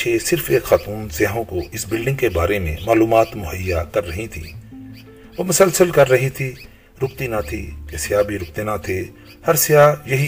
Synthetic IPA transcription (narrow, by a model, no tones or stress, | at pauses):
eːsɪɾfeːkxaːt̪uːnsjːɦõkoʔɪsbɪlɖɪ̃ŋɡkebaːɾemḛ̃maːluːmaːt̪mʊɦəjːakɐɾːɐɦĩt̪ʰḭː | ʋoːmʊsəlsəlkɐɾːɐɦit̪ʰi | ɾʊk̚t̪inat̪ʰḭkesɪjaːbʱiɾʊk̚t̪enat̪ʰe | hɐɾsɪjaːjɐɦi